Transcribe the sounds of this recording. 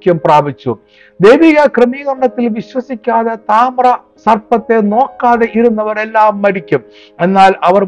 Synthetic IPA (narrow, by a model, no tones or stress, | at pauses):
kʲːumpraːbit͡ɕːṵ | d̪e̞jʋiɣɐkremiːɣɐrɳɐt̪ːilʋiɕwɐsikʲːaːðɐt̪aːmrɐ | sɐrpɐt̪ːe̞no̞ːkːaːðeʔiɾunːɐʋɐre̞lːaːmːɐɽikʲːum | e̞nːaːlɐʋɐr